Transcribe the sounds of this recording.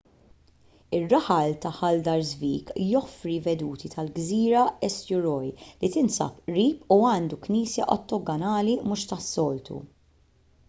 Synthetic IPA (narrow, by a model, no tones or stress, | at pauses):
ɪrːɐħɐlt̪ɐħɐld̪ɐɾzviːkjɔfɾivɛd̪uːt̪it̪ʰɐlɡziːɾɐɛst̪jʊɾɔjlit̪ɪnsɐ̰pʔɾiːpuɐːnd̪ukniːsjɐʔɔt̪ːɔɡɐnɐːlimʊʃt̪ɐsːɔːlt̪ʰṵ